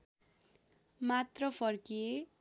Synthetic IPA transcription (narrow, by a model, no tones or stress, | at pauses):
mat̪rʌpʰʌrkije